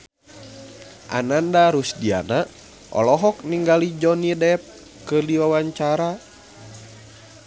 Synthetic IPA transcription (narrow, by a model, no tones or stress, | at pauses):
ʔa̰nandaɾusdia̰na | ʔɔ̰lɔɦɔk̚niŋɡalid͡ʒɔnidɛp̚ | kɨrdiwawaɲt͡ʃaɾa